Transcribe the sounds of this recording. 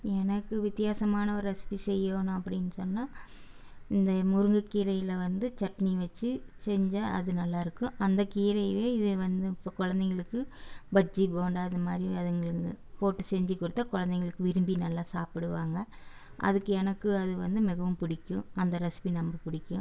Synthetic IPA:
ɛnɐkːɯʋɪt̪ːɪjaːsɐmaːnɐɔɾɯɐsɪ̥pisɛjːoːnʊ̃ɐpːɐɽɪnːɯsɔnːaː | ɪnd̪ɐmʊɾɯŋɡɐkːiːɾɐjɪlɐʋɐnd̪ɯt͡ʃɐʈːɐniʋɐt͡ʃːɯsɛɲd͡ʒaɐ̰ðɯnɐlːaːɪɾɯkːʊ̃ʔɐnd̪ɐkiːɾɐɪʋeːɪðɯʋɐnd̪ɯpːoːkɔɻɐnd̪ɐŋɡɐɭɯkːɯbɐd͡ʒːipoːɳɖaːɐðɯmaːd̪ɾiɐðɐŋɡɐɭɯ | poːʈːɯsɛɲd͡ʒɯkːɔɽɯt̪ːakɔɻɐnd̪ɐŋɡɐɭɯkːɯʋɪɾɯmbinɐlːaːsaːpɪɽɯʋaːŋɡɐʔɐ̰ðɯkːɯɛnɐkːɯɐðɯʋɐnd̪ɯmɪɣɐʋɯmpʊɽɪkʲːʊ̃ɐnd̪ɐɾɐsɪ̥pinɐmbɐpʊɽɪkʲːʊ̃

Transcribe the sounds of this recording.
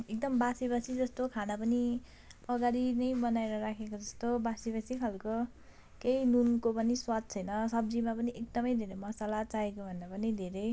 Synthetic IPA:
ek̚d̪ʌmbasibasid͡zʌst̪okʰanapʌni | pʌɡaɾinʌjbʌnaeɾʌɾakʰekod͡zʌst̪obasibasikʰalko | kejnunkopʌniswad̪̚t͡sʰʌjnʌsʌb̚d͡zimapʌniek̚d̪ʌmʌjd̪ʱeɾʌjmʌsalat͡saekobʱʌnd̪apʌnid̪ʱeɾʌj

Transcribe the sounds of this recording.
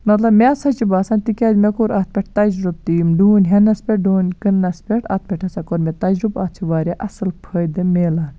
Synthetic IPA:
mɐt̪lɐbmesɐt͡ʃibaːsɐːnʲt̪ikʲɐd̪mekoːɾaːt̪̚ʰpʲeʈ̚ʰt̪ɐd͡ʒɾub̚t̪iːmɖuːnʲɦɐnɐspʲɛʈ̚ɖuːnʲkɨnːɐspʲɛʈʰɐ̰ːt̪̚pʲɛʈʰɐsɐkoːɾmet̪ɐd͡ʒɾubaːt̪̚t͡ʃʰiʋaːɾʲaʔɐsɨlpʰɐjd̪ɨmeːlaːn

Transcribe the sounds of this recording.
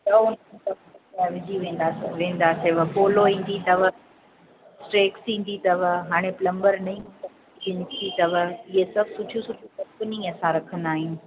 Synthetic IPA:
tɐoʊnɐ̃tɐmaʋɪd͡ʑiʋẽːn̆d̪aːseʋẽːnd̪aːseʋɐpoːloĩːn̆d̪it̪ɐʋə | sʈɾeːksĩːn̆d̪it̪ɐʋɦaːɽ̃eplɐ̃mbəɾnɐĩɐ | iʋɪɲt̪ʰit̪ɐʋɐɪɦesɐbʱsʊʈʰjũsʊʈʰũkɐ̃mpəniɐsãɾɐkʰənd̪aːɦɪnɪ̆

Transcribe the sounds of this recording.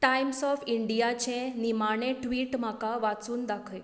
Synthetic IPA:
ʈajmsɔfiɳɖijat͡ɕẽnimaɽeʈʋiːʈm̤akaʋat͡suːnd̪akʰe

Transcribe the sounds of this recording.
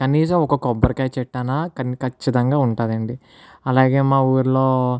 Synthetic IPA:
kɐniːs̬ɐmɔkɐkɔbːɐɾkaːt͡ʃɛʈːanakɐnkɐt͡ʃːit̪ɐŋɡaːuɳʈaːd̪ɐɳɖi | ɐlaːɡe̞ːmaːuːɾulo̞ː

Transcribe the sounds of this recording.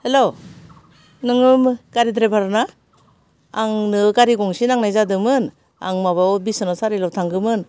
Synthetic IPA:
helo | nɯŋɯmɡ̥aɾidɾebʰaɾana | ŋnɯɡaɾiɡɔŋsinaŋnajzadɯmɯn | a̰ŋmaβawbisɔnasaɾilawtʰaŋɡɯmɯn

